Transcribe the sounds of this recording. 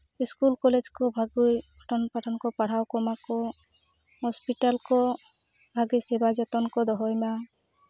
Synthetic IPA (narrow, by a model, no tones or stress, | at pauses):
iskulkɔled͡ʒkɔbʱaɡujbʱɔʈʰɔnpaʈʰɔnkɔpaɽ̤awkɔmakɔ | ɦɔspiʈalkɔ | bʱaɡijsebad͡ʒɔt̪ɔnkɔd̪ɔɦɔjma